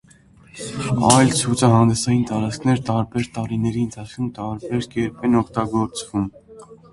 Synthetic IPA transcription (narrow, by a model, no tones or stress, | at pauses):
ɑjlt͡sʰut͡sʰɑɦɑnd̪ɛsɑjint̪ɑɾɑt͡skʰnɛɾt̪ɑɾbɛɾt̪ɑɾinɛɾiənt̪ʰɑt͡sʰkʰumt̪ɑɾbɛɾkɛɾpʰɛnɔkʰt̪ɑɡɔɾt͡svum